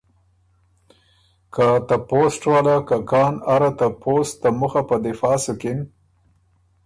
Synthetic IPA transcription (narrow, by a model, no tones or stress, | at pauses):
kat̪aposʈwalakakɑːnaɾat̪apost̪ːamʊxapəd̪ɪfɑːsʊkɪn